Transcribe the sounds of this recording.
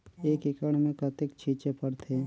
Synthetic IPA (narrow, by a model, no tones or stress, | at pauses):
eːkɪkəɽ̃mẽkɐt̪ɪkt͡ʃʰiːt͡ʃepəɽt̪ʰe